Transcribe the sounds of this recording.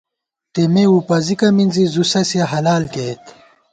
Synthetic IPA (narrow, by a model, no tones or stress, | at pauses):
t̪emeupɐzikɐminzizusɐsjɐɦɐlaːlket̪